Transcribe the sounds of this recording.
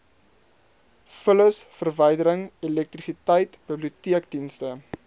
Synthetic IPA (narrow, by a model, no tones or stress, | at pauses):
fələsfərvəjdəɾəŋilɛk̚trisitəjtbəbliutiək̚dinstə